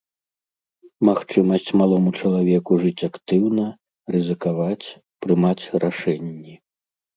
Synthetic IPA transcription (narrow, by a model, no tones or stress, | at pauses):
maxt͡ʂɨmɐsʲt͡sʲmalˠɔmut͡ʂɐlˠavʲɛkuʐɨt͡sʲakt̪ɨwnɐ | rɨzɨkavat͡sʲ | pɾɨmat͡sʲɾʔaʂɛnʲːi